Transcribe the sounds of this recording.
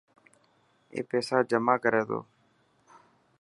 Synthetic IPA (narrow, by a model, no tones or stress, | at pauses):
ḛːpeːsaːd͡ʒəmaːkəɾeːd̪o̰ː